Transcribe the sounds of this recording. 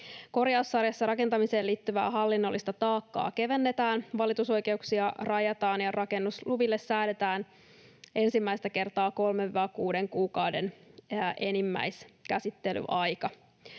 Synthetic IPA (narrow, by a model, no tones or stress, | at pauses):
ko̞rjɑusːɑrjɑsːɑɾɑke̞nt̪ɑmise̞ːliːt̪ːyʋæ̰ːɦɑlːinːo̞lːist̪ɑt̪ɑːkːɑ̰ːke̞ʋe̞nːe̞t̪æːnʋɑlit̪uso̞jke̞uksiɑrɑjɑt̪ɑːnjɑrɑke̞nːusluʋilːesːæːdet̪æːn | e̞nsimːæist̪æke̞rt̪ɑːko̞lmeʋʋɑkuːde̞ŋkuːkɑwde̞nʔe̞nimːæ̰jskæsit̪ːe̞ly̰ʔɑjkɑ